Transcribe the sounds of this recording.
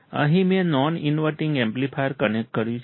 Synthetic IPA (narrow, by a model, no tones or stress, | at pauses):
ə̰ɦĩmẽnɔnɪnʋəʈɪ̃ŋɡɛ̃mplifajəɾkənekʈ̚kəɾjũt͡ʃʰ